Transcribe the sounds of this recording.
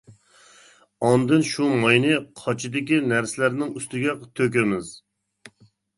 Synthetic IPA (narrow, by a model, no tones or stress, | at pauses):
ɑnd̪ɨnʃumɑjnɨqʰɑt͡ʃʰid̪ɪkʲinæɾsɪlæɾnɪŋyst̪ɪɡʲɛt̪ʰøkʲɛmɪz